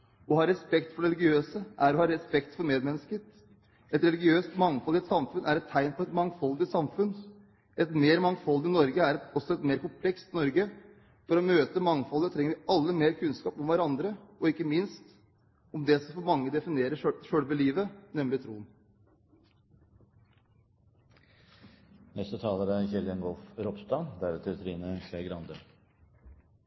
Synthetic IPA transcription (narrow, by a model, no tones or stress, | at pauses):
ɔhɑːɾɛspɛkt̪fɔɖɾɛlɪɡɪøːsəʔæɾɔhɑːɾɛspɛkt̪fɔɾmeːd̪mɛnːəskəɾ | ɛt̪ɾɛlɪɡɪøːst̪mɑŋfɔlːɪt̪sɑmfʉnʔæɾɛt̪ʰːæɪnpʰɔɾɛt̪mɑŋfɔlːd̪ɪt̪sɑmfʉn | ɛt̪meːɾmɑŋfɔlːɪnɔɾɡəæɾɛt̪ɔsɔɛt̪meːɾkʊmpʰlɛkst̪nɔɾɡə | fɔɾɔmøːt̪əmɑŋːfɔlːət̪ʰɾɛŋəɾʋɪɑlːəmeːɾkʰʉnskɑːpɔmʋæɾɑnd̪ɾəɔɪkːəmɪnst̪ | ɔmd̪ɛsɔfɔɾmɑŋːəd̪ɛfɪneːɾəʂøɽʋəliːʋənɛmlɪt̪ʰɾuːn | nɛst̪ət̪ʰɑːləɾæçɛlənɡɔlfɾɔpst̪ɑːnd̪æɾt̪ʰɛɾət̪ʰɾiːnəsæɡɾɑnd̪ə̰ɾ